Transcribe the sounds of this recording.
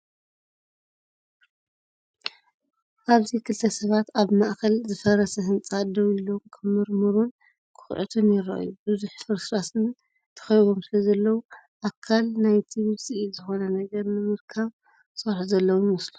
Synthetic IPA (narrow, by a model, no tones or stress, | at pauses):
ʔaβzikʰɨlt̪ʰɐsɐβat̪aβmaʔkʰɐlzɨfɐɾɐsɐɦɨnt͡sʼad̪ɐwlːomkʰɐmɨɾmɨɾun | kʰɨ̥xʕɨ̰t̪ʰomjɪɾɐ̰ʔjubɨzuħfɨɾsɾasɨn | t̪ʰɐ̥xɐjβo̞msɨlɐzɐlːɐwu | ʔakʰːalnajt̪ʰiwɨsʼiizɨxo̞nɐnɐɡɐɾnɨmɨɾkʰɐβ | sɐɾħzɐlːɐwumɨslu